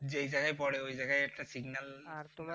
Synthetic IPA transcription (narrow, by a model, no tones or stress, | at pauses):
zejzaɡajpɔɽeojzaɡajɛk̚ʈasiɡnal